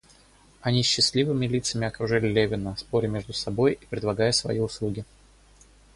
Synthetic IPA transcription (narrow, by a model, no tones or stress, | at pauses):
ɐnʲiɕːɪslʲivɨmʲɪlʲit̪səmʲɪɐkɾʊʐɨlʲɪlʲevʲɪnəspoɾʲɪmʲe̞ʐd̪ʊsɐbo̞jipɾʲɪd̪lˠɐɡajəsvɐ̰jiʊslˠuɡʲɪ